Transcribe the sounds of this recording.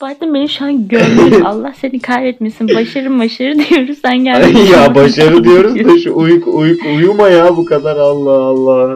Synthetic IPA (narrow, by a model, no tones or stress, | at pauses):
b̥ad̪ɯmbenimʃuanɟøɾmealˠːahsenikʰajbɛt̪mesinbaʃaɾɯmbaʃaɾɯd̪ijo̞ɾuz̥sænɟælʲjabaʃaɾɯd̪ijo̞ɾuzd̪aʃuujukujukujumajabukad̪aɾalˠːaalˠːah